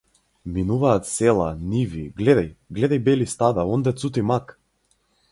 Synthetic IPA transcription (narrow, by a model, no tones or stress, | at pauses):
minuvaːt̪sɛlˠaniviɡlɛd̪ajɡlɛd̪ajbɛlist̪ad̪aɔnd̪ɛt̪sut̪imak